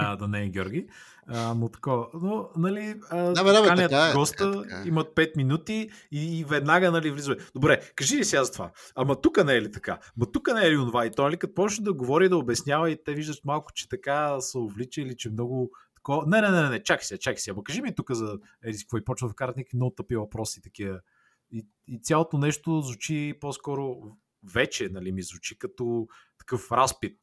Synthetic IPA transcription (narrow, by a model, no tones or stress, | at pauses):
əd̪ɐnɛɡʲɔ̰ɾɡʲi | əmot̪ɐ̥kɔənonɐliəaaaliətɡɔst̪əimɐt̪̚pɛt̪minut̪iiːvɛd̪naɡənɐlivlizəvɛd̪obɾɛkɐʒilisiazɐt̪va̰ɐmɐt̪ukənɛɛlit̪ɐ̥ka̰mɐt̪ukənɛɛlionovait̪ɔnɐlikɐt̪pɔʃnəd̪ɐɡovɔɾid̪ɐobɛsnʲjavɐit̪ɛviʒd̪ət̪malˠkʊ̥t͡ʃɛ̥t̪ɐkasɐovlit͡ʃɛilit͡ʃɛmnɔɡʊt̪ɐ̥kɔvənɛnɛnɛɛnɛt͡ʃaksiɐt͡ʃaksiɐmɐkɐʒimit̪ukəzɐ | ɛɾiskvɔipɔt͡ʃnəfkaɾt̪nikvimnɔɡʊt̪ɤpivɐpɾɔsit̪ɐk̟ivə | iː | t̪sʲalˠot̪onɛʃt̪ozvʊt͡ʃiposkɔɾʊ | vɛt͡ʃɛnɐlimizvʊt͡ʃikɐt̪ɔt̪ɐ̥kɤfɾaspit̪̚